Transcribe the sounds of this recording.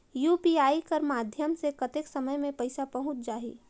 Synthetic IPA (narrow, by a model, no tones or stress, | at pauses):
juːpiːaːikəɾmaːd̪ʱjəmsekɐt̪eksɐməjmẽpɐɪsapɐɦʊ̃t͡ʃd͡ʒaːɦḭː